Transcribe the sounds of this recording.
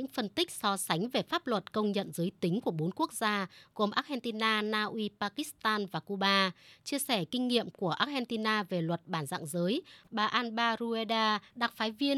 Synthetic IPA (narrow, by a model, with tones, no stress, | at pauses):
ɲɨ̰˧˥ŋfə˧nt̪ï˦˥k̟̚sɔ˧sa˨˦jŋ̟ve˨˩faː˦˥p̚lwə˨˩t̚kə˧wŋ͡mɲə̰˧˨nzəː˨˦jt̪ï˨˦ŋ̟ku˧˩əɓo˨˦nku˦˥ək̚z̥aː˧ɣo˨˩mʔaː˦˥t̚hɛ˧nt̪i˧naː˧naː˧ʔwi˧paː˧ki˦˥st̪aː˧nvaː˨˩ku˧ɓaː˧t͡ɕi˧əsɛ˧˩kï˧ŋ̟ŋḭ˧˨əmku˧˩əʔaː˦˥t̚hɛ˧nt̪i˧naː˧ve˨˩lwə˨˩t̚ɓaː˧˩nza̰˧˨ŋzəː˨˦jɓaː˨˩ʔaː˧nɓaː˧ɾu˧e˧ɗaː˧ɗa˨˩k̚faː˨˦jvi˧ən